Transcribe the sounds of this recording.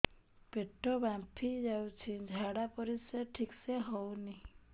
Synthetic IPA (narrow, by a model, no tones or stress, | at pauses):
peʈʰːɔbapʰid͡ʒawt͡ʃʰid͡ʒʱaɽapɔɾiseʈʰikseɦɔwni